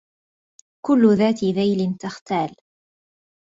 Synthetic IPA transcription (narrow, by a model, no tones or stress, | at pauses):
kʊlːʊðaːt̪ɪðajlɪnt̪axt̪aːl